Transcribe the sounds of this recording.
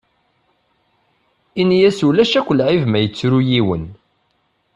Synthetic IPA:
injæsulæʃækʷːəlʕivmæjət͡sːɾujiwən

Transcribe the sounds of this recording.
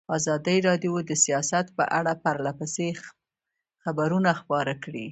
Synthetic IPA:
ɑzɑd̪əjɾɑd̪jod̪əsijɑsat̪pə̰ʔaɽapaɾlapəse | xabaɾunaxpɑɾakɽi

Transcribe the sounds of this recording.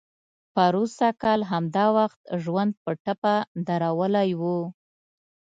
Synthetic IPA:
paɾusakɑlɦamd̪ɑwaxt̪ʒwand̪̚pəʈapad̪aɾawəlajwu

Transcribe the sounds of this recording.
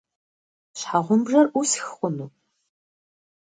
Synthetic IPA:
ɕħaʁʷʊmbʐɐrʔusxχʷʊnuː

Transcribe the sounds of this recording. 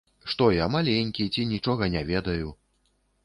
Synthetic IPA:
ʂt̪ɔjamalʲenʲkʲit͡sʲinʲit͡ʂɔɣɐnʲɛvʲɛd̪ɐju

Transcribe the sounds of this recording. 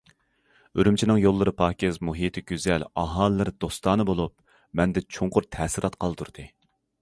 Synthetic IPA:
øɾymt͡ʃʰinɨŋjolˠːɨɾɨpʰɑːkʲezmuɦiːt̪ʰɪɡʲyzɛlɑɦɑːlˠːɨɾd̪̥ost̪ɑːnɨbolˠup̚ | mɛnd̪ɛt͡ʃʰoɴqʊɾt̪ʰɛːsɨɾʔɑt̪qʰɑlˠd̪uɾd̪̥ɨ

